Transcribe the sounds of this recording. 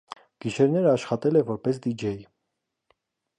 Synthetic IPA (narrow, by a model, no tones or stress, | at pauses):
ɡ̥iʃɛɾnɛɾəɑʃχɑt̪ɛlɛvɔɾpɛs̬d̪id͡ʒɛj